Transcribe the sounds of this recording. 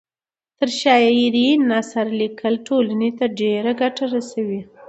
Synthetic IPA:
t̪əɾʃɑjejiɾinːɑsaɾlikʰəlʈʰolanet̪aɖeɾaɡaʈaɾasawi

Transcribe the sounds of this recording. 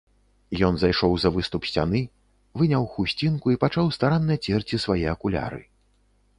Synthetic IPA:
jɔnzajʂɔwzɐvɨst̪upsʲt͡sʲa̰nɨ | vɨnʲawxusʲt͡sʲinkuipat͡ʂawst̪aɾanːɐjɐt͡sʲɛrt͡sʲisvajɛɐkulʲa̰ɾɨ̰

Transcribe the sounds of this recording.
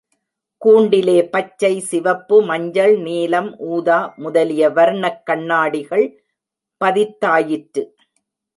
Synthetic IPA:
kuːɳɖɪleːpɐt͡ʃːɐɪsɪʋɐpːɯmɐɲd͡ʒɐɭniːlɐmʔuːðaːmʊðɐlɪjɐʋɐɾɳɐkːɐɳːaːɽɪɣɐɭ | pɐðɪt̪ːaːjɪʈɾɯ

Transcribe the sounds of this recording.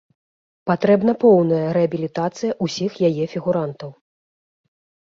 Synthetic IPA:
pat̪ɾɛbn̪ɐpɔwnɐjɐɾɛɐbʲilʲit̪at̪sɨjɐʔusʲixjajɛfʲiɣuɾant̪ɐw

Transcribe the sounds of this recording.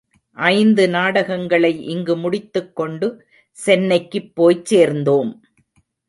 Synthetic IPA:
ʔɐɪnd̪ɯnaːɽɐɣɐŋɡɐɭɐɪʔɪŋɡɯmʊɽɪt̪ːɯkːɔɳɖɯ | sɛnːɐɪkːɯpːoːjt͡ʃseːɾnd̪oːm

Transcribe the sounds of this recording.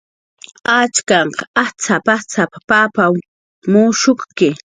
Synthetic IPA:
at͡ʃkɑɴqɑat͡sapat͡sapḁpapa | mʊʃʊχkɪ

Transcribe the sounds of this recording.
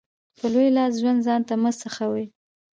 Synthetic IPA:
pəlojlɑsʒwand̪zɑnt̪aməsəxawəj

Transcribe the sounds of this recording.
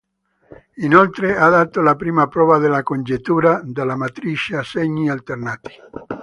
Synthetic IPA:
inolt̪ɾead̪at̪olapɾiːmapɾɔvaðelakond͡ʒet̪ːuːɾad̪alamat̪ɾit͡ʃaseɲialt̪ernat̪i̥

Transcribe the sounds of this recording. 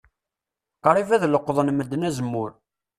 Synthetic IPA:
qɑɾˤivæðləqːðˤənməd̪ːnæzəmːʊɾ

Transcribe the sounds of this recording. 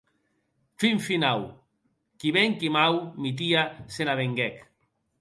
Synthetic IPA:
fiɱfinaw | kiβɛŋkimawmit̪̬iasenaβeŋɡɛk

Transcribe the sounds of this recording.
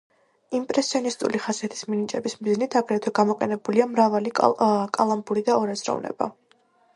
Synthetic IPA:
impʼɾɛsiɔnist̪ʼuliχazɛt̪ʰi̥sminit͡ʃʼɛbismiznit̪ʰaɡɾɛt̪ʰwɛɡamɔqʼɛnɛbuliamɾavalikʼalˠambuɾid̪aɔɾɛzɾɔ̰vnɛ̰ba̰

